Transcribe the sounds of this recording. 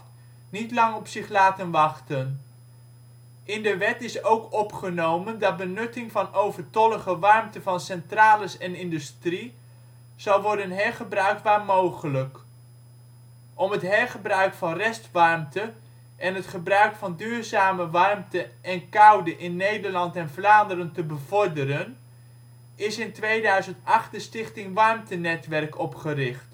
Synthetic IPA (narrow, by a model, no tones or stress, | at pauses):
nitlɑŋɔpsɪχlaːtənʋɑχtən | ʔɪndəʋɛtɪsowkɔpχənowməndɑt̚bənɵtɪŋvɑnowvəɹtɔləχəʋɑɹmtəvɑnsɛntraːləsɛnɪndʉstri | z̥ɑwˠʋɔɹdənɦɛɹχəbrœɥk̚tʋaːɹmowχələk | ʔɔmɦətɦɛɹχəbrœɥkfɑnrɛstʋɑrmtə | ʔɛnɦətχəbrœɥkfɑndyːɹzaːməʋɑrmtəʔɛnkɑwdəʔɪnːejdəɹlɑntɛnvlaːndərəntəbəv̥ɔɹdəɾən | ɪsɪntʋejdœɥzəntɑχtdəstɪχtɪŋʋɑrmtənɛtʋɛrkɔpχərɪχt